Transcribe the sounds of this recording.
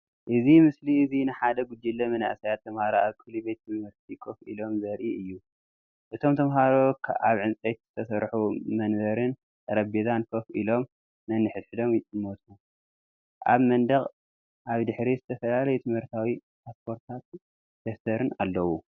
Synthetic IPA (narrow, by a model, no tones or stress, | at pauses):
ʔɨzimɨsliɨzinɨħad̪ɐɡud͡ʒːilːɐmɐna̰ʔsajat̪ʰːɐmhaɾoaβkʰɨlubet̪ɨmhɨɾt̪̚ʰikʰofḭlo̞mzɐɾʔiʔɨjːu | ʔɨt̪ʰo̞mt̪ʰɐmɦaɾokʰaβʕɨnt͡sʼet̪z̥ɨt̪ʰɐsɐɾħumɐnβɐɾɨn | ɐɾɐbezankʰofʔilo̞mː | ɐnːɨħɨt̪ħɨd̪o̞mʼmot̪ʰu | ʔa̰βmɐnd̪ɐχʼ | ʔaβd̪ɨħɾizɨt̪ʰɐfɐlalɐjut̪ʰɨmhɨɾt̪ʰawi | pʰaspʰo̞ɾt̪ʰat̪ | d̪̥ɐft̪ʰɐɾɨna̰lːɐwu